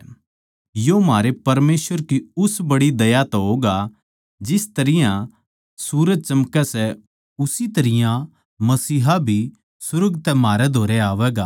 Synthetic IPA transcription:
jomaːɾepɐɾmeːsʋəɾkiʊsbɐɽid̪ɐjat̪ɦoːɡa | d͡ʒɪst̪ɐɾɪjã | suːɾəd͡ʒ̚t͡ʃɐmkɛsɛ | ʊsit̪ɐɾɪjã | mɐsiːɦabʱi | sʊɾəɡt̪ɛmaːɾɛd̪ʱoːɾɛaːʋɛːɡaː

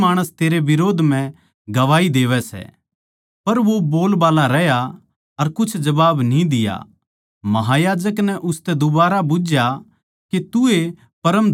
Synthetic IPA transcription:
aːɽ̃əst̪eːɾeʋɪɾoːd̪ʱm̤ɛ̃ | ɡɐʋaːid̪eːʋɛsɛ̰ | pɐɾʋoboːlbaːlaɾɛja | ɐɾkʊt͡ʃʰd͡ʒɐbaːbnĩd̪ɪja̰ | mɐɦajaːd͡ʒəknɛʔʊst̪ɛd̪ʊbaːɾabʊd͡ʒja | ket̪ʊe | pɐɾəm

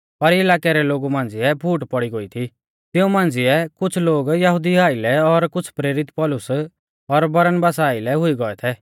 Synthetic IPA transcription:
pɐɾɪlaːkɛɾɛloːɡumãːn̆d͡zɪɛpʰuːʈpɔɽiɡoit̪ʰi | t̪ɪũmãːnd͡zɪɛkʊt͡ʃʰloːɡjɐɦʊd̪iaːilɛɔɾkʊt͡ʃʰpɾeːɾɪt̪pɔːlʊs | ɔɾbɐɾənbaːsaːilɛɦʊiɡɔɛt̪ʰɛ

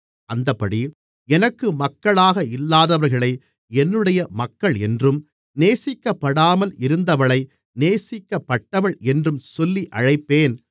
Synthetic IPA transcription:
ɐnd̪ɐpːɐɽi | ɛnɐkːɯmɐkːɐɭaːɣɐɪlːaːðɐʋɐɾɣɐɭɐɪ | ɛnːɯɽɐjɐmɐkːɐɭɛndrɯm | neːsɪkːɐpːɐɽaːmɐlɪɾɯnd̪ɐʋɐɭɐɪ | neːsɪkːɐpːɐʈːɐʋɐɭɛndrɯmsɔlːiʔɐɻɐɪpːeːn

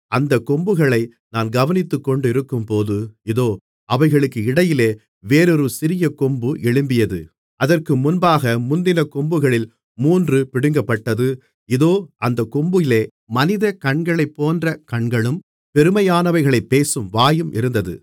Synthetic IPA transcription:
ʔɐnd̪ɐkːɔmbɯɣɐɭɐɪ | naːnɡɐʋɐnɪt̪ːɯkːɔɳɖɪɾɯkːɯmpoːðɯɪðoː | ɐʋɐɪɣɐɭɯkːɯɪɽɐjɪleː | ʋeːɾɔɾɯsɪɾɪjɐkɔmbɯʔɛɭɯmbɪjɐðɯ | ʔɐðɐrkɯmʊnbaːɣɐmʊnd̪ɪnɐkɔmbɯɣɐɭɪl | muːndrɯpɪɽɪŋɡɐpːɐʈːɐðɯ | ɪðoːʔɐnd̪ɐkɔmbɯɪleː | mɐnɪðɐkɐɳɡɐɭɐɪpːoːndrɐkɐɳɡɐɭɯm | pɛɾɯmɐjaːnɐʋɐɪɣɐɭɐɪpːeːsɯmʋaːjɯmʔɪ̰ɾɯnd̪ɐðɯ̰

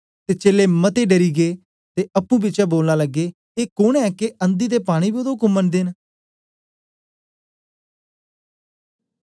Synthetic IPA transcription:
t̪eːt͡ʃeːleːmət̪eːɖəɾiːɡeː | t̪eːʔəpːũːbit͡ʃaːboːlnaːləɡːeː | eːkoɳɛːkeənd̪iːd̪eːpaːɽ̃iːbod̪oɦʊkʊmːənd̪eːn

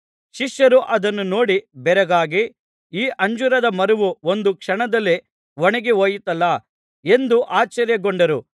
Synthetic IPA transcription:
ʃiʃjɐɾuʔɐd̪ɐnːuno̞ːɽibɛɾɐɡaːɡi | iːʔɐɲd͡ʒuɾɐd̪ɐmɐɾuʋuond̪ukʂɐɳɐd̪ɐlːe | ʋoɳɐɡiɦoːjit̪ɐlːɐ | e̞nd̪uʔaːt͡ʃːɐɾjɐɡoɳɖɐɾu

